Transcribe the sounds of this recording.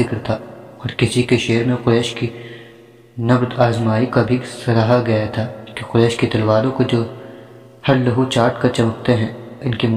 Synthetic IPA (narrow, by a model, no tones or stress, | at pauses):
ɪkɾt̪ʰaːɔːɾkɪsikeʃeːɾmẽqʊɾɛːʃki | nɐbd̪aːzmaːikabʱisɐɾaɦaɡɐjat̪ʰaːkiqʊɾɛːʃkit̪ɐlʋaːlõkod͡ʒoː | hɐɾlɐɦut͡ʃaːɾʈkat͡ʃɐmək̚t̪eɦɛ̃ːɪnkem